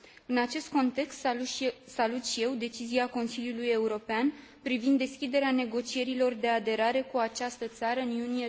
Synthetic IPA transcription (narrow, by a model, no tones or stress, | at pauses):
ɨnat͡ʃe̞st̪̚ko̞nt̪e̞kst̪salut̪ʃije̞wd̪e̞t͡ʃiziako̞nsiljuluje̞uɾo̞pean | pɾivind̪ːe̞skʲid̪e̞ɾeane̞ɡo̞t͡ʃie̞ɾilo̞rd̪e̞ad̪e̞ɾaɾe̞kuat͡ʃast̪ət̪saɾəɨnunije